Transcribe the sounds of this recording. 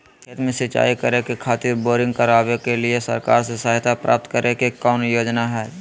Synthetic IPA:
ket̪mẽsɪt͡ʃa̰ːikəɾekekʰaːt̪ɪɾboːɾɪ̃ŋɡkəɾaːʋekelɪesə̰ɾka̰ːɾsesaːɦɪt̪ʰapɾa̰ːp̚t̪kəɾekekɔːnjoːd͡ʒnaɦɛː

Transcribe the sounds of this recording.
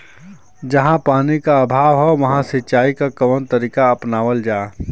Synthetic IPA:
d͡ʒɐɦãpaːnikaəbʱaːʋɦɛʋɐɦãsɪtːt͡ʃaːikakɐʋənt̪əɾiːkaɐpnaːʋəld͡ʒaː

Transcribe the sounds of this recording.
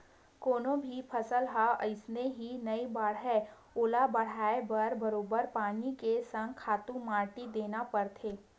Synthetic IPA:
koːnõbʱipʰɐsəlɦaəɪsneɦinɐibaːɽɛ | oːlabɐɽ̤aːebɐɾbɐɾoːbəɾpaːnikesɐ̃ŋɡkʰaːt̪ũmãːɾʈid̪eːnapɐɾt̪ʰeː

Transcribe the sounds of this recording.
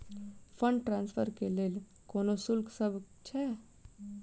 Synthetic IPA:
pʰəɳɖʈɾãːnspʰəɾkeleːl | koːnosʊlksəbʱ | t͡ʃʰɛ

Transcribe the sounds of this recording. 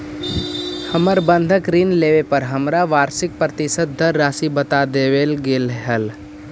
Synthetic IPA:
həməɾbə̃nd̪ʱəkɾiːnleːʋepəɾɦəmɾaʋaːɾsɪk̚pɾət̪ɪsət̪̚ːəɾɾaːsibət̪ad̪eʋeːlɡeːlɦəl

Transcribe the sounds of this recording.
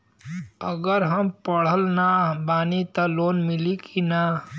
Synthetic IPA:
əɡəɾɦəmpəɽ̤əlnabaːnit̪əloːnmɪlikʰina

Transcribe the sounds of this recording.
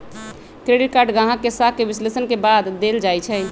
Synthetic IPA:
kɾeɖiʈ̚kaɾɖɡãɦãkːesakːebislesənkebad̪ːeld͡ʒajt͡ʃʰɛ

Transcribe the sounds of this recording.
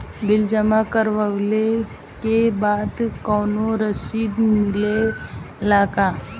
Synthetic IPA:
bɪld͡ʒəmakəɾʋəʋle | kebaːd̪kɔːnoɾəsiːd̪mmɪle | laːka

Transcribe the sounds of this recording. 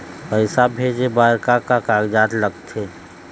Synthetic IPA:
pəɪsabʱeːd͡ʒebaːɾkakakaːɡd͡ʒaːt̪ləɡt̪ʰeː

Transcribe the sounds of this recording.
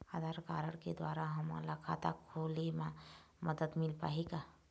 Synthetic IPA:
ad̪ʱaɾkaɾəɽkḛd̪waːɾaɦəma̰lakʰa̰t̪a̰kʰolemã | məd̪əd̪milpa̰ɦika

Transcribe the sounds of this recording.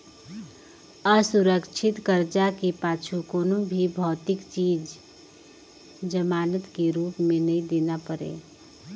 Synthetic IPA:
əsʊɾəkt͡ʃʰɪt̪kəɾd͡ʒakepaːt͡ʃʰukoːnobʱibʱɔːt̪ɪkt͡ʃiːd͡ʒ | d͡ʒəmaːnət̪keɾuːpmẽnəĩd̪eːnapəɾḛː

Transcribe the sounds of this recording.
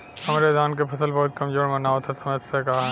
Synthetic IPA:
hɐmɾed̪ʱaːnkepʰɐsəlbɐɦʊt̪̚kɐmd͡ʒoːɽmɐnaːot̪ʰɛsɐməd̪sekaːɦ

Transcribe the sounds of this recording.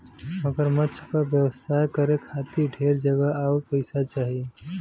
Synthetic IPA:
məɡəɾməːt͡ʃʰkabjəwəsʰaːekəɾekʰaːt̪iɖʱeːɾd͡ʒəɡəaopəɪsat͡ʃaːɦie

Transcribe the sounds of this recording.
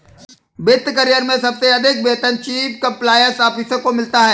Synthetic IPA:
bɪt̪kɐɾijəɾmẽsɐb̚seɐd̪ʱɪk̚beːt̪ənt͡ʃiːpkɐ̃mplaːjəɾsaːpisəkomɪlt̪aɦɛː

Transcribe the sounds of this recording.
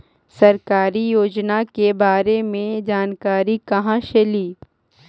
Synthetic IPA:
sɐɾkaːɾijoːd͡ʒnakebaːɾemẽd͡ʒaːnkaːɾikɐɦãʃeliː

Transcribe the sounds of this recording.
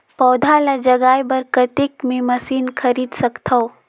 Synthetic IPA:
pɔːd̪ʱalad͡ʒɐɡaːjbɐɾkət̪ɪkmẽmɐsiːnkʰɐɾiːd̪sɐkt̪ʰao

